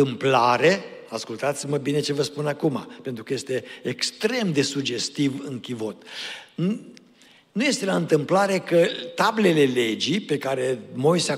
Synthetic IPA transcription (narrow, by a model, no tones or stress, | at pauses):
ɨmplaɾe̞askult̪at̪siməbine̞t͡ʃe̞vəspunakuma̰pent̪ɾukəje̞st̪e̞ːkst̪ɾe̞md̪e̞sud͡ʒe̞st̪ivɨŋkʲivo̞t̪ | nuje̞st̪elaɨnt̪ɨmplaɾe̞kət̪able̞le̞le̞d͡ʒipe̞kaɾe̞mo̞jsea